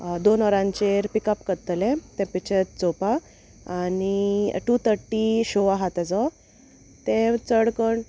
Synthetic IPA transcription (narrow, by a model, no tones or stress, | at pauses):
d̪onɔɾãɲt͡ɕeɾpikəpkət̪lɛ̃t̪ɛ̃pit͡ɕet̪̚t͡sopa | aːniʈut̪ʰəɾʈːiɕoʋaɦat̪ad͡zɔ | t̪ɛ̃t͡səɽkəɳ